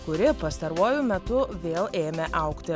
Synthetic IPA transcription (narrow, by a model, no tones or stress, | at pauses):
kʊɾʲɪpɐst̪ɐɾuɔjʊmʲɛt̪ʊʋʲeːlˠeːmʲeʔɐʊkt̪ʲɪ